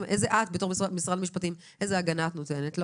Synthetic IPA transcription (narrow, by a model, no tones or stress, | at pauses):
mʔejzeʔat̚betoʁmisʁadlmiʃpatim | ʔe̞zeaɡanatnotenetl